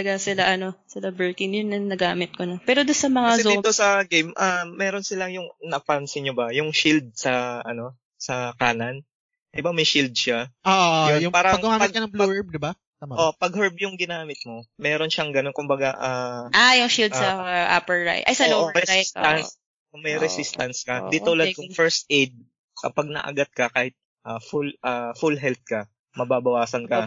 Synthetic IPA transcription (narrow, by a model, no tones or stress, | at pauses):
ɐɡasɪlaʔɐno̞sɪlabɛɹkɪŋjʊnːɐnɐɡaːmɪt̪̚konɐpɛːɾod̪ʊnsɐmɐŋazoit̪osɐɡejmʔaːɛːɾo̞nsɪlajʊŋnɐfansɪɲobɐjʊŋʃild̪̚sɐʔɐno̞ | sɐkaːnɐn | ɪbamɐjʃild̪̚ʃaʔoʔonjʊpaːɾɐɐŋɡamɐɡkɐnɐŋ̚bluɛɹb̚d̪ɪba | t̪amaʔpɐɡ̚hɛɹb̚jʊŋɡɪnaːmɪt̪̚mo̞mɛːɾo̞nʃɐŋɡɐno̞nkʊmbɐɡaʔaːajʊŋʃild̪̚sɐʔapɛɹɹa̰jʔɐjsɐoɾɛst̪ɐns | ʔmɐjɾɛsist̪ɐnskɐd̪it̪olɐd̪̚kʊŋfɛɹst̪̚ʔɛjd̪̚ | kɐpɐɡ̚nɐ̰ʔɐ̰ɡat̪̚kɐkaːhɪt̪̚ | ʔaːfulʔaːfulɦɛlθ̚kɐ | mɐbaːbɐwaːsɐnkɐ